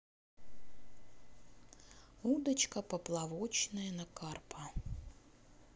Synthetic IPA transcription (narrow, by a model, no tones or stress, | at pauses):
ud̪ɐt͡ɕkəpəplˠavot͡ɕnəjənɐkarpɐ